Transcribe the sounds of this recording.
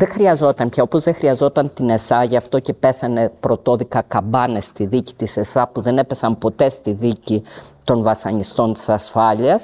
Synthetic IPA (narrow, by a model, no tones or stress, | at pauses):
ðe̞xɾiɐzo̞t̪ɐmpçɐo̞po̞zðexɾiɐzo̞t̪ɐnt̪ine̞sɐʝɐft̪o̞ce̞pe̞sɐne̞pɾo̞t̪o̞ðikɐkɐbɐne̞st̪iðici̥t̪ise̞sɐpuðe̞ne̞pe̞sɐmpo̞t̪e̞st̪iðicit̪o̞nvɐsɐɲist̪o̞nt̪i̥sɐsfɐʎiɐs